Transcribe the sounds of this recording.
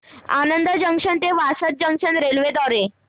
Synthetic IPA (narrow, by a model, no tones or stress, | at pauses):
a̰nənd̪əd͡ʑəŋkʂənt̪eʋasət̪̚d͡ʑəŋkʂənɾelʋed̪ɔɾe